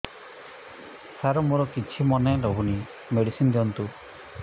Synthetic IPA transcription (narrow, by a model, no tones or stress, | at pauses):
saɾɔmuɾɔkit͡ʃʰimɔneɾɔɦuni | meɽisind̪iɔnt̪u